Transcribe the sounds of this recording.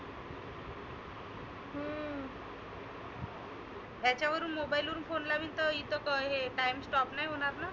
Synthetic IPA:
ɦə | ɦjat͡ɕaʋəɾuːnmobailʋəɾuːnfonlaʋiːnt̪əit̪əkəɦeʈajmsʈɔpnajɦoɽ̃aɾna

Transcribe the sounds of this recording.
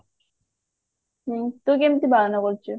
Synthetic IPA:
t̪okemt̪ibaɾanakoɾt͡ɕʰe

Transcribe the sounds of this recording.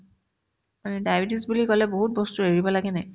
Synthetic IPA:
manɛdajbidisbulikɔlɛboɦut̚bɔstuɦeɹibɔlaɡɛnɛ

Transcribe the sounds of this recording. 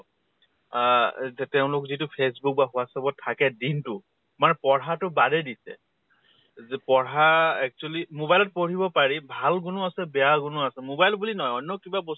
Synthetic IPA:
zɛtɛʊ̃lʊkzitʊpʰes̬buk̚baxʊasɔbɔtʰːakɛdintʊ | manɛpɔɹatʊbadɛdisɛ̰ | zpɔɹaɛk̚t͡ʃualimobajlɔt̚poɹibɔpaɹibʱalɡʊnʊasɛbɛjaɡʊnʊasɛmobajlbulinɔjɔnjɔkibabɔs

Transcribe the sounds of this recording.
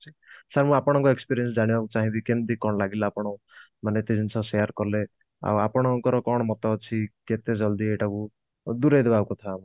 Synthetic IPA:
t͡ʃʰi̥ | saɾmũapɔɽ̃ɔŋkɔekspiɾiens̬d͡ʒaɽ̃ibakut͡ʃaɦĩbikend̪ikɔɽ̃ɔlaɡilaːpɔɽ̃ɔw̃ | manet̪ed͡ʒʱint͡ʃʰɔsejaɾkɔɾle | a̰wapɔɽ̃ɔŋkɔɾɔkɔɽ̃ɔmɔt̪ɔt͡ʃʰiket̪ed͡ʒɔld̪iejʈaku | d̪uɾejd̪ebawkut̪ʰaːmɔ̃

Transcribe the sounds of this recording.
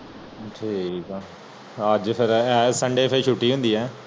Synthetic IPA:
ʈʰiːkɛ | əd͡ʒpʰɪɾɛːsəɳɖeːpʰɪɾʃuːʈːiːɦʊ̃nd̪iːɛː

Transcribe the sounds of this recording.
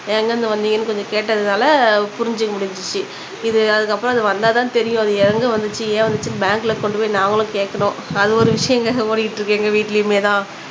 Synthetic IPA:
eːŋɡɐnd̪ɐʋɐnd̪iːŋɡɐnːɯkɔɲd͡ʒɔ̃keːʈːɐðɯnaːlɐpʊɾɪɲd͡ʒɯkːɐmʊɽɪɲd͡ʒɯt͡ʃːɯ | ɪðɯɐðɯkːɐpːɯɾõɐðɯʋɐnd̪aːt̪ãːt̪ɛɾɪjʊ̃ɐðɯɛɾɐŋɡɯʋɐnd̪ɯt͡ʃːɯeːʋɐnd̪ɯt͡ʃːɯbaːŋkɯlɐkɔɳɖɯpoːjinaːŋɡɐɭlʊ̃keːʈkːɐnʊ̃ɐðɯɔɾɯʋɪʂɐjɐ̃ŋɡɐpoːɽɪkɪʈːɾɯkːeːŋɡɐʋiːʈːɪlɐjɯmeːt̪ãː

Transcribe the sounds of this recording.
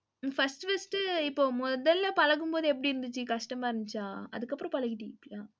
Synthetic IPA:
fɐsʈɯfɐsʈɯɪpːoːmɔðɐlːɐpɐlɐɣɯmpoːðɯɛp̬ːɐɽiɪɾɯnd̪ɯt͡ʃːɯkɐʂʈɐmaːɪɾɯnd̪ɯt͡ʃːaːɐ̰ðɯkːɐpːɯɾõpɐlɐɣɪʈːipːaː

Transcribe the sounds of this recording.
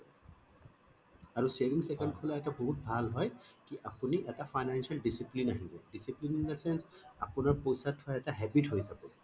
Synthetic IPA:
aɹusebiŋsɛkɛnkʰɔlaɛtaboɦut̚bʱalɦɔjkiʔapuniʔɛtafʰajnansialɖisiplinaɦibɔɖisiplinŋlɛsɛnsa̰punaɹpojsatʰhɔɛtaɦɛbitɦojzabɔ

